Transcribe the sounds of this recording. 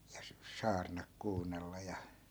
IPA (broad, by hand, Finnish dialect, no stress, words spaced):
jɑ s sɑːrnɑk kuːnːelːɑ jɑ